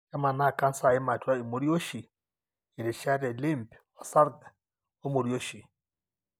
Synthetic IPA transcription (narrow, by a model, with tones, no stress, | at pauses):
a˦ma˨na˦˨ka˦n̩˦sa˨e˦ma˨twa˦i˨mo˨ɾjo˦ʃi˨ | e˨ɾe˨ʃa˦ɾɛ˨le˦mpɔ˨sa˦ɾɡa˨ | o˦mo˨ɾjo˦ʃi˨